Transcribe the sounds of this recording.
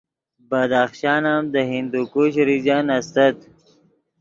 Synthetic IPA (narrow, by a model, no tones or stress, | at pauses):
bad̪aχʃɑːnamd̪əɦind̪ukuɕɾid͡ʑanɐst̪ɐt̪